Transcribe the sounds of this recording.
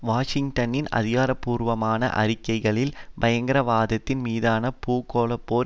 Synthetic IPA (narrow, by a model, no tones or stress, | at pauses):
ʋaːʂɪŋʈɐnɪnɐ̰ðɪɣaːɾɐpːuːɾʋɐmaːnɐ̰ʔɐ̰ɾɪkːɐɪɣɐɭɪlbɐjɐŋɡɐɾɐʋaːðɐt̪ːɪnmiːðaːnɐpuːkːoːlɐpːoː